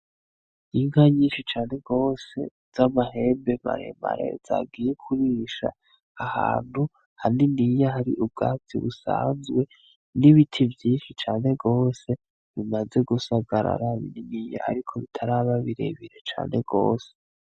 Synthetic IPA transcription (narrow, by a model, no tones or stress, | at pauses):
iŋɡaɲiːnʃit͡ʃaːne̞ɡo̞ːse̞̰ | z̥amahe̞mbema̰ɾe̞̰ma̰ɾḛz̥a̰ɡiːjekʰuɾiːʃa̰ː | ha̰ːn̥hu | haninijaɦaɾḭʔub̚ɡaːt͡sḭβusa̰ːnzɡwe̞ | niβitʰivjiːnʃit͡ʃaːne̞ɡo̞ːse̞ | βimaze̞ɡusaɡɡaɾa̰ɾaβḭninija̰a̰ɾikʰo̞βitʰaɾaβaβiɾe̞βiɾet͡ʃa̰ːne̞ɡo̞̰ːse̥